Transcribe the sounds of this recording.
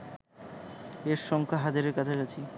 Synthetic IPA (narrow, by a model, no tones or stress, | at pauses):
eɾʃɔŋkʰaɦad̪iɾeɾkat͡ɕʰakat͡ɕʰi